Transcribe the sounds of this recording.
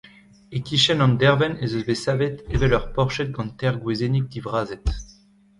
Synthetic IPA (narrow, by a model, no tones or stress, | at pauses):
ekiʃɛnɑ̃nd̪ɛʁvɛnezøzbesavet̪evɛlœʁpɔʁʃɛt̪̚ɡɑ̃nt̪ɛʁɡwezenik̚d̪ivʁaːzɛt̪